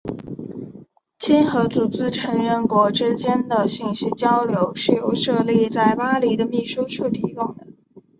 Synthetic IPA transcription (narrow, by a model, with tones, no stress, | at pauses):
t͡ɕi˥nxɤ˧˥t͡su˨˩t͡sɹ̩˥ʈ͡ʂʰɤ˧˥ŋɻə˥˩nkwɔ˧˥ʈ͡ʂɻ̩˥t͡ɕjɛ˥nd̪ə˨ɕi˥˩ŋɕi˥t͡ɕjɑ˥ʊljo˧˥ʊʂɻ̩˥˧jo˥˧ʊʂɤ˥˧li˥˧t͡sa˥˩ɪpa˥li˧˥d̪ə˧mi˥˩ʂu˥ʂʰu˥˩t̪ʰi˧˥kʊ˥˩ŋd̪ə˩